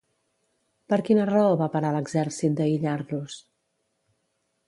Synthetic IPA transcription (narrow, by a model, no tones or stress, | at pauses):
pəɾkinərəəoβapəɾaləɡzɛɾsit̪̚d̪əiʎaɾlus